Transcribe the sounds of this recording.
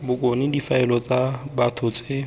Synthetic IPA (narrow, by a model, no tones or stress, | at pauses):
bʊkʼonɪdifaɛlɔt͡sʼabatʰʊt͡sʼɪ